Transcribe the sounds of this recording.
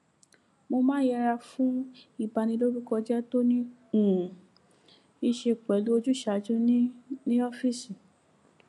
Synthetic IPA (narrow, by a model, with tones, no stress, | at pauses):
mo˧mã˦jɛ˧ɾa˧fũ˦i˦˨ba˧nĩ˧lo˦ɾu˦kɔ˧d͡ʒɛ˦to˦nĩ˦ | ũ˨ | i˧ʃe˧k͡pɛ˨˦lu˦o˧d͡ʒu˦ʃa˨d͡ʒũ˦nĩ˦nĩ˦ɔ˦fi˦˨si˨